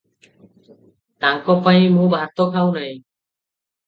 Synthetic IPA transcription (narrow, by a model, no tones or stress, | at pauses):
t̪aŋkɔpaj̃mũbʱaɾt̪ɔkʰawnaj